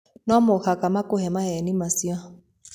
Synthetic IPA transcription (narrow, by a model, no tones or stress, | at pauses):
nɔmʊhakamakʊhɛmahɛnimasia